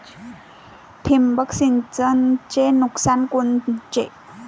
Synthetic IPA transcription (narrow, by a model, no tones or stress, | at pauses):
t̪ʰimbək̚sint͡sənt͡ɕenuk̚sankunt͡ɕḛʔ